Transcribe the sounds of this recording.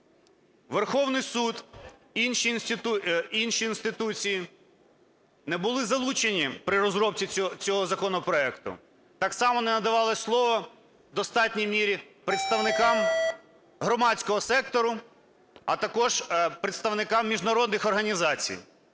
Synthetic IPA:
ʋerxɔwnɪjsud̪inʃinsʲt̪ʲit̪inʃiːnst̪ɪt̪ut͡sʲiji | nɛbʊlˠɪzɐlˠut͡ʃenʲipɾɪɾɔzɾɔpt͡sʲit͡sʲɔɦɔzɐkɔnɔpɾɔɛkt̪ʊ̰ | t̪ɑksɑmɔnɛnɐd̪ɐʋɑlˠɔslˠɔʋɔ | d̪ɔst̪ɑtʲnʲijmʲiɾʲi | pɾeɪt̪st̪ɐʋnɪkɑm | ɦɾɔmɑt͡sʲkɔɦɔsɛk̚t̪ɔɾʊ | ɐt̪ɐkɔʒpɾɪt̪st̪ɐwnɪkɑmːʲiʒnɐɾɔd̪nɪxɔrɦɐnʲizɑt͡sʲḭj

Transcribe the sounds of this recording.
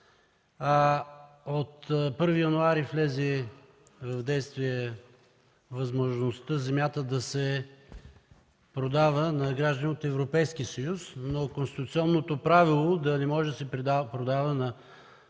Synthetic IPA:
a | ot̪pɤɾvijɐnuaɾiflɛzɛ | vɐvd̪ɛjst̪viɛ | vɐzmoʒnost̪əzɛmjat̪əd̪ɐsɛ | pɾod̪avənɐɡɾaʒd̪ənʲiot̪ɛvɾopɛjskisəjusnokonst̪i̥t̪ut̪siɔnːot̪opɾavilˠod̪ɐnɛmɔʒɛd̪ɐsɛp̪pɾod̪avənɐ

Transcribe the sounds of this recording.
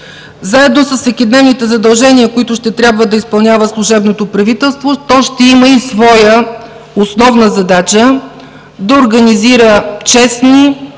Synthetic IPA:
zaɛd̪nosəsːɛkʲɛd̪nɛvnit̪ɛzɐd̪ɐlˠʒɛniəkoit̪ʊʃt̪ɛt̪ɾʲabvəd̪ɐispɐlˠnʲavəslˠʊʒɛbnot̪opɾɐvit̪ɛlˠst̪vot̪ɔʃt̪ɛiməisvɔjə | osnɔvnəzɐd̪at͡ʃə | d̪ɐoɾɡɐniziɾət͡ʃɛsni

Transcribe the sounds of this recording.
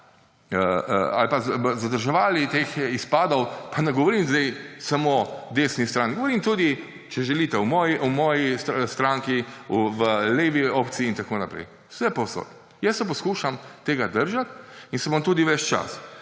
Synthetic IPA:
əa̰lpazzad̪əɾʒɛʋaːlit̪exispaːd̪ɔwpanɛɡɔʋɔɾiːmzd̪ɛjsamoːd̪eːsnist̪ɾanɡɔʋɔɾiːmt̪uːd̪i | t͡ʃɛʒɛlit̪ɛwmɔːjiʔɔmɔːjisst̪ɾaŋkiuʋəleːʋiop̪siːnt̪akoːnapɾɛ̰j | sɛpɔwso̰t̪ | jɛsɛpɔskuːʃamt̪eːɡad̪əɾʒat̪insɛbɔmt̪uːd̪iʋɛt͡ʃt͡ʃa̰s

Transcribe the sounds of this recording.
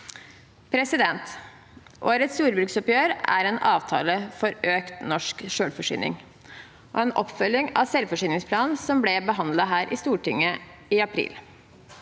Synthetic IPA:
pʰɾɛsɪd̪ɛnt̪ | ʔoːɾət̪sj̪uːɾbɾʉksɔpjøːɾæ̰ɾeːnʔɑːʋt̪ʰɑ̰ːləfɔɾøːkt̪nɔʂkʂøːɽfɔʂy̰ːnɪ̰ŋ | ʔɔ̰ːɛːnʔɔ̰pfœlɪŋɑ̰ʋsɛlfɔʂyːnɪŋspʰlɑːnnsɔmblɛbəɦɑnd̪lɑɦæːɾʔɪ̰st̪uːʈʰʏŋːə | ɪɑpʰɾḭːl

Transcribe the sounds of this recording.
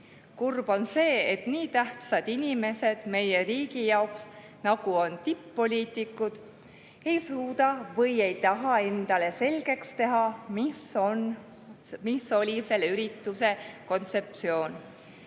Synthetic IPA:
kurb̥o̞nse̞ːet̪niːt̪æht̪sɑd̪̥inʲime̞se̞d̪̥me̞je̞riːɡijɑoks | nɑɡ̥uo̞nt̪ipːo̞lʲiːt̪ˑikːˑud̪̥ | e̞jsuːd̪̥ɑvɤje̞jt̪ɑɦɑe̞nd̪̥ɑle̞se̞lɡ̥e̞kst̪e̞ɦɑmon | miso̞lʲise̞lːeyɾit̪ːˑuse̞ko̞nt̪se̞p̚t̪sio̞ːn

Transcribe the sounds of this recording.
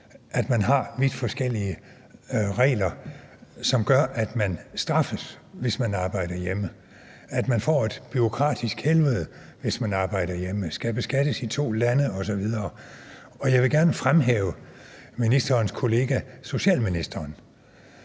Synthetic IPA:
ʔæd̥mænɦɑ̈ʋid̥fɒ̽sɡ̥el̰iə | ʁɛ̰ːlɐ | sɒ̽mɡ̥ɶɐʔæd̥mænsd̥ʁɑ̈fəsʋe̝smænɑ̈ːb̥ɑ̈ɪ̰d̥ɐjemə | æd̥mænfɒ̰ːe̝d̥b̥yʁo̝kʰʁɑ̰̈ːd̥isɡ̥helʋəð̞̩ˠ | ʋe̝smænɑ̈ːb̥ɑ̈ɪ̰d̥ɐjeməsɡ̥ɛb̥əsɡ̥æd̥əsit͡sʰo̝̰ːlænəɒ̽sɒ̽ʋið̞ˠɐː | ɒ̽jɑ̈ɪʋe̝ɡ̥æɐnəfʁamɦɛ̰ːʊəminisd̥ɐːnskʰo̝le̝ːɡ̥æso̝ɕɛ̰ːlminisd̥ɐːn

